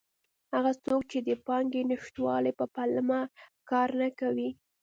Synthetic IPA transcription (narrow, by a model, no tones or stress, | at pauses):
haɣat͡sok̚t͡ʃed̪əpɑŋɡenɪʃt̪wɑləjpəpalmakɑɾnakawi